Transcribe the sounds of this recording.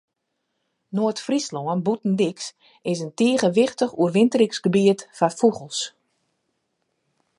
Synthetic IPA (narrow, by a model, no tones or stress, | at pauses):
noətfrislɔənbutn̩dɪks | ɪsəntiːɣəʋɪxtəxuərʋɪntəɾɪksɡəbiətfafuɣəlˠs